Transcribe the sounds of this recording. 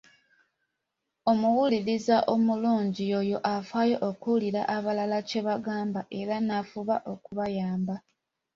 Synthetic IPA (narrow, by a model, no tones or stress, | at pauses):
o̞muwuliɾizaʔo̞muluːɲɟio̞jo̞ʔafwaːjo̞ʔokuliɾa̰ʔaβalalace̞βaɡaːmbaʔe̞ɾanafuβaʔo̞kuβajaːmba